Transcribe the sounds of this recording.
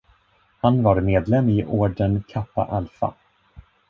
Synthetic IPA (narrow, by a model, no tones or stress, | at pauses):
hanvaɾmeːd̪lɛmːɪʔoːɖənkʰapːa̰ʔalfa̰